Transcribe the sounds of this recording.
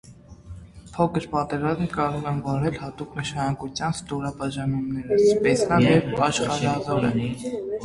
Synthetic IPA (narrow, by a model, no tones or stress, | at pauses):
pʰɔkʰəɾpɑt̪ɛɾɑzmkɑɾɔʁɛnvɑɾɛlhɑt̪uknəʃɑnɑkut͡sʰjɑnst̪ɔɾɑbɑʒɑnumnɛɾit͡spɛsnɑjɛvɑʃχɑɾɑzɔɾɛ̰